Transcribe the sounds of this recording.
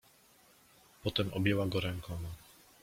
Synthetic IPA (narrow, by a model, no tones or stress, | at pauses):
pɔt̪ɛmʔɔ̰bjɛwaɡɔɾɛŋkʰɔma